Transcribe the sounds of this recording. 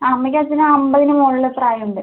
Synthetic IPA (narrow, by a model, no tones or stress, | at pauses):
ɐmːɐkʲːɐt͡ɕːinɨɐmbɐðinumoɭːɐt̪raːjuɳɖɨ